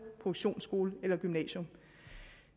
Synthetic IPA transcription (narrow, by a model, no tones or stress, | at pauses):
pʰoɕo̝̰ːnsɡ̥o̝ːləelɐɡ̥ymnɛ̰ːɕɔ̽m